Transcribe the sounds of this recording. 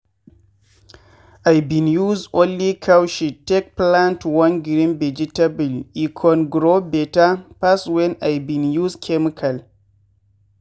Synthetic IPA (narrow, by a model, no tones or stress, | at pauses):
ʔajbinjuzʔɔlːikʰawʃitɛk̚plantwɐnɡɾimbɛd͡ʒitabilʔikʰɔnɡɾobɛtapaswɛnʔajbinjuskʰɛmkʰɐl